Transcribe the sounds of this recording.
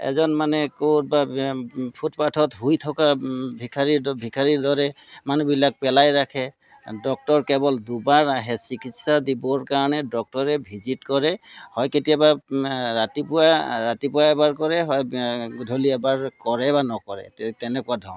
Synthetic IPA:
ɛ̰zɔnmanɛkot̚ba | pʰutpatʰɔt̪ɦujt̪ʰɔkabʱikʰaɹibʱikʰaɹiɹd̪ɔɹɛmanubilak̚pɛlajɹakʰɛ | dɔk̚tɔɹkɛbɔld̪ubaɹaɦɛsikʰit̪sad̪ibɔɹkaɹɔnɛdɔk̚tɔɹɛbʱizitkɔɹɛhɔjketijabaɹatipʊwaɹatipʊwaɛbaɹkɔɹɛɦɔjdʱoliɛbaɹkɔɹɛbanɔkɔɹɛ̰t̪ɛnɛkʊadʱɔ̃wn

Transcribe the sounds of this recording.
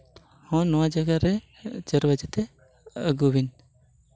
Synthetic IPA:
hɔ̃nɔwad͡ʒəɡaɾɛ | d͡ʒəɾbəd͡ʒɛt̪ɛ | əɡubin

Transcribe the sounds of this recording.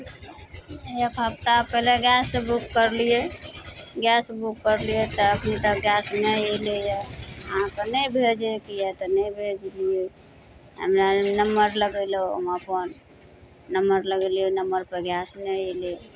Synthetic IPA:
jəbʱab̚t̪apəleɡɛsːebukːəɾlije | ɡɛsbukːəɾlijet̪ɔəkʰnit̪əkɡjɛsmeelejɛəɦãkenəjbʱed͡ʒekijɛt̪ɔnəbʱed͡ʒlije | ɦə̰mnanəməɾləɡəloə̰məpənː | əməɾləɡəlienəməɾpəɡjɛsneele

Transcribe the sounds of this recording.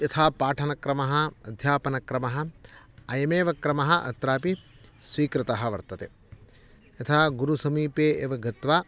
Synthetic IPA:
jɐt̪ʰaːpaːʈʰɐnɐkɾɐmɐɦɐɐd̪ʱjaːpɐnɐkɾɐmɐɦɐ̆ɐjɐmeːʋɐkɾɐmɐɦɐ̆ʔɐ̰t̪ɾaːpisʋiːkɾɪt̪ɐɦɐ̆ʋɐɾt̪ɐt̪e | ɐt̪ʰaːɡuɾusɐmiːpeːʔeʋɐɡɐt̪ʋaː

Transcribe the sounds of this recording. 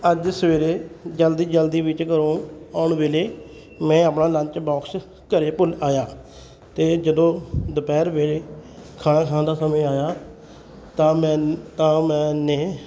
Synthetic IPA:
əd͡ʒsəʋeːɾeːd͡ʒəld̪iːd͡ʒəld̪iːbɪt͡ʃkəɾõːaːʊɳbeːleː | mɛ̃ːəpnaːlə̃nt͡ʃbɔːks | kəɾeːpʊlaːjaː | t̪eːd͡ʒəd̪õːd̪əpɛːɾbeːleːkʰaːnãːkʰaːad̪aːsəmẽːaːjaː | t̪aːɛt̪ãːmɛ̃ːneː

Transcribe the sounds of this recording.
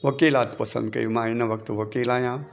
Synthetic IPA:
ʋɐkeːlaːt̪pɐsɐ̰nd̪kɐ̰jumaːinɐʋɐk̚t̪uʋɐkeːlãːjãː

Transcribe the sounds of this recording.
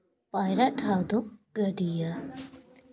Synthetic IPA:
paːjɾaʈʰawd̪oɡ̥əɖija

